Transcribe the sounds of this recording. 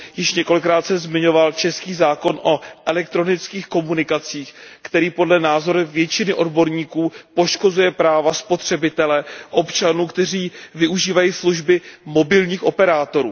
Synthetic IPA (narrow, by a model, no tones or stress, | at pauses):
jɪʃɲɛko̞lɪkːɾaːt̪sɛmzmɪɲo̞valt͡ʃɛskiːzaːko̞nʔo̞ʔɛlɛk̚t̪ɾo̞nɪt͡skiːxko̞munɪkat͡siːxkt̪ɛɾiːpo̞dlɛnaːzo̞ɾuvjɛt͡ʃɪnɪʔo̞dbo̞ɾɲiːkuːpo̞ʃko̞zujɛpɾaːvaspo̞t̪r̝̥ɛbɪt̪ɛlɛʔo̞pt͡ʃanuːkt̪ɛriːvɪʔuʒiːvajiːsluʒbɪmo̞bɪlɲiːxʔo̞pɛɾaːt̪o̞ɾṵː